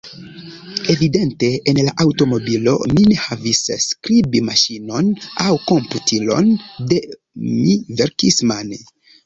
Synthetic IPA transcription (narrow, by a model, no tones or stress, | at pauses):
e̞vide̞nte̞ːnlaʔawto̞mo̞bilo̞̰minehavisskɾibimaʃino̞nawko̞mputʰilo̞̰nde | miveɾkisman